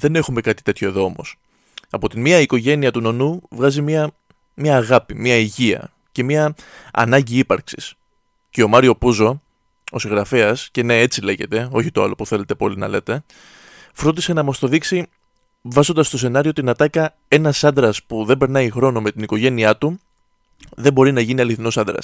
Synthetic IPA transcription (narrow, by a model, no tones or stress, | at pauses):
ðe̞ne̞xume̞kɐt̪i̥t̪e̞t̪ço̞e̞ðo̞o̞mo̞̰s | ɐpo̞t̪inmiɐiko̞ʝe̞niɐt̪uno̞nuvɣɐzimiɐ | mɐːɣɐpimiɐiʝiɐ̰ | ce̞miɐɐ̰nɐɲɟiipɐɾksi̥s | ce̞o̞mɐɾio̞puzo̞ | osiɣɾɐfe̞ɐsce̞ne̞e̞t͡sile̞ʝe̞t̪e̞o̞çit̪o̞ɐ̰lo̞puθe̞le̞t̪e̞po̞linɐ̰le̞t̪e̞ | fɾod̪ise̞nɐmɐst̪o̞ðiksi | vɐzo̞nd̪ɐst̪o̞s̬e̞nɐɾiot̪inɐt̪ɐkɐ | e̞nɐsɐnd̪ɾɐspuðe̞be̞ɾnɐixɾo̞nome̞t̪iniko̞ʝe̞niɐt̪u | ðe̞bo̞ɾinɐʝiniɐliθino̞sɐnd̪ɾɐ̰s